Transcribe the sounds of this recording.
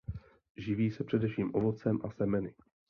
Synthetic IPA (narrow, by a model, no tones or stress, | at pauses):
ʒɪviːsɛpr̝̥ɛdɛfʃiːmʔovot͡sɛmʔasɛmɛnɪ